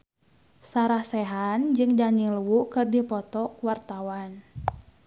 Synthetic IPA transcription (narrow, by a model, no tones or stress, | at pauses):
saɾahsɛɦand͡ʒɨŋdaniluwukɨrdipɔt̪ɔkuwart̪awan